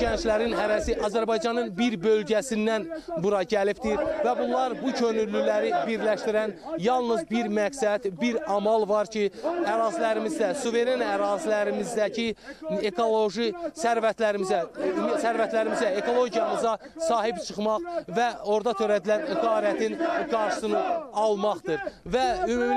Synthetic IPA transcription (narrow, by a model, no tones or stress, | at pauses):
ɟænt͡ʃlæɾinɦæɾæsiʔɑzæɾbɑjd͡ʒɑnɯnbiɾbø̞lɟæsind̪ænbuɾɑɟælipd̪iɾvæbunlˠɑɾbucʰø̞nyɾlːylæɾibiɾlæʃt̪iɾænjɑlˠnɯzbiɾmæksæd̪̥biɾɑmɑlˠvɑɾcʰiæɾɑːzilæɾimizd̪æsuve̞ɾenæɾɑːzilæɾimizd̪æcʰiekʰolˠoʒisæɾvæt̪læɾimizæsæɾvæt̪læɾimizæekʰo̞lˠo̞ɟijɑmɯzɑsɑːɦipt͡ʃʰɯχmɑχvæo̞ɾd̪ɑt̪ʰøɾæd̪ilænɡɑːɾæt̪ʰinɡɑɾʃɯ̥sɯnɯɑlˠmɑχd̪ɯɾvæymum